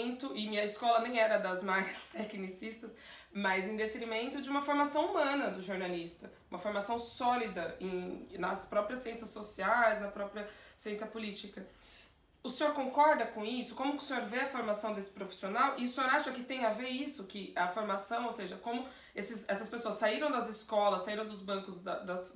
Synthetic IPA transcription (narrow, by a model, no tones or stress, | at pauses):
nt̪ʊʔɪmĩɐiskɔlɐnẽj̃ɛɾɐd̪ɐzmaɾɐst̪ɛknisist̪ɐs | mɐzẽd̪et̪ɾimẽnt̪ʊd͡ʒɪũmɐfoɾmasɐ̃w̃umɐ̃nɐd̪ʊʒoɾnalist̪ɐ | ũmɐfoɾmasɐ̃w̃sɔlid̪ɐẽnɐspɾɔpɾiɐsːiẽsɐsosiajznɐpɾɔpɾiɐsiẽsiɐpʊlit͡ʃikɐ | ʊsẽɲoɾkõkɔɾd̪ɐkõisʊkõmʊkɪʊsẽɲoɾveɐfoɾmasɐ̃w̃d̪esɪ̥pɾofi̥sionawʔɪʊsẽoɾaʃɐkɪt̪ẽj̃ɐveɾisʊkɪɐfoɾmasɐ̃w̃owseʒɐkõmʊ | esɪsɛsɐspesoɐsːaiɾɐ̃w̃d̪ɐzɪskɔlɐsːaiɾɐ̃w̃d̪ʊzbɐ̃kʊzd̪ɐd̪ɐs